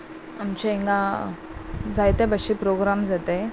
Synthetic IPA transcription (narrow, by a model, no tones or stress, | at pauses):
amt͡ɕeiŋɡã | d͡zajt̪ẽbəɕipɾoɡɾamd͡zat̪e